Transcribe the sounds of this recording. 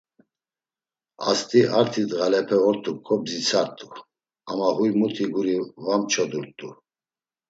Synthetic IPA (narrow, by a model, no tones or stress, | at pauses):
a̰st̪ʼiʔaɾt̪ʰid̪ɣalɛpʰɛɔɾt̪ʼup̚kʰʼɔbzit͡sʰaɾt̪ʼu | amahujmut̪ʰiɡuɾivamt͡ʃʰɔd̪uɾt̪ʼu